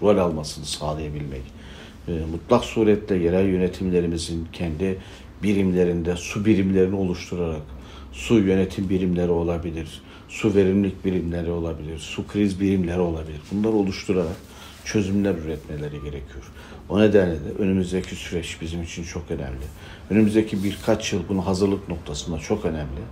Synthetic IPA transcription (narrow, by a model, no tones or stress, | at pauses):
ɾolʲalˠmasɯnɯsaːlˠɯjabilʲmɛ̰cː | mut̪lˠaksuːɾɛt̪lʲɛjeɾælʲjø̞net̪ʰimlʲe̞ɾimizincʰɛnd̪i | biɾimlʲe̞ɾind̪ɛsubiɾimlʲe̞ɾinio̞lˠuʃt̪ʰuɾaɾak | sujø̞net̪ʰimbiɾimlʲe̞ɾio̞lˠabilʲiɾ̥ | suve̞ɾimlʲic̚biɾimlʲeɾio̞lˠabilʲiɾsukʰɾizbiɾimlʲe̞ɾio̞lˠabilʲiɾbunlˠaɾo̞lˠuʃt̪ʰuɾaɾak | t͡ʃʰø̞zymlʲæɾyɾɛt̪melʲe̞ɾiɟe̞ɾecʰijo̞ɾ | oned̪ænlʲɛd̪ɛʔø̞nymyzd̪ɛcʰisyɾɛt͡ʃbizimit͡ʃʰint͡ʃʰo̞kø̞nɛ̰mlʲɪ | ønymyzd̪ɛcʰibiɾkʰat͡ʃjɯlˠbunɦazɯɾlˠɯkno̞k̚t̪ʰasɯnd̪at͡ʃʰo̞kø̞næmlʲi